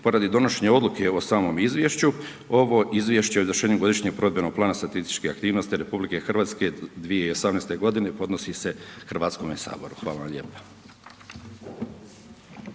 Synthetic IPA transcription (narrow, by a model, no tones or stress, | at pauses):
po̞ɾad̪id̪o̞noʃeɲeo̞d̪lukʰe̞osaːmo̞mizʋje̞ʃt͡ɕu | o̞ʋo̞ʔizʋje̞ʃt͡ɕeoizʋrʃeːɲuɡo̞d̪iʃɲeɡ̚pɾod̪bjeno̞ɡ̚plˠaːnast̪at̪ist̪i̥t͡ʃkeakt̪iːʋno̞st̪iɾe̞publike̞xr̩ʋaːt̪ske̞d̪ʋijeio̞samneːst̪e̞ɡo̞d̪ine̞po̞d̪nosise̞xrʋaːt̪sko̞mesa̰ːboɾuxʋaːlaʋamʎe̞ːpḁ